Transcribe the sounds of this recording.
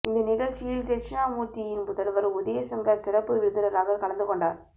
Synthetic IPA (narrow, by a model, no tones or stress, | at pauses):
ɪnd̪ɐnɪɣɐɻt͡ʃɪjɐlt̪ɛt͡ʃɪnaːmuːʈːijɪnpʊðɐlʋɐɾʊðeːsɐŋɡɐsɪɾɐpːɯʋɪɾɯðɪnɐɾaːɣɐkɐɭɐnd̪ɯkɔɳɖaːɾ